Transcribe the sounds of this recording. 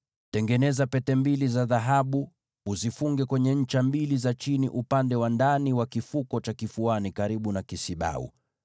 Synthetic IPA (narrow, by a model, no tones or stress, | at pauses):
tɛŋɡɛnɛzapɛtɛmbilizaðaɦaɓu | uzifuŋɡɛkwɛɲɛɲ̩t͡ʃambilizat͡ʃinḭʔupandɛwandaniwakifukɔt͡ʃakifuanikaɾiɓunakisiɓa̰ṵ